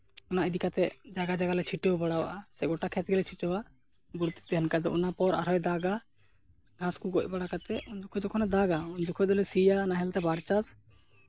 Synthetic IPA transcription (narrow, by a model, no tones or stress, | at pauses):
ɔnaʔid̪ikat̪ɛd͡ʒaɡad͡ʒaɡalɛt͡ʃʰiʈɔwbɔɽawa̰ʔasɛɡɔʈakʰɛt̪̚ɡɛlɛt͡ʃʰit͡ʃɔwa | buɽt̪i̥t̪ɛɦɛnkad̪ɔɔnapɔɾa̰ɾɔjd̪aɡa | ɡʱãskuɡɔc̚baɽakat̪ɛuɲd͡ʒɔkʰɔd̪ɔkʰɔnɛd̪aɡaund͡ʒɔkʰɔd̪ɔlɛsijanaɦɛlt̪ɛbaɾt͡ʃas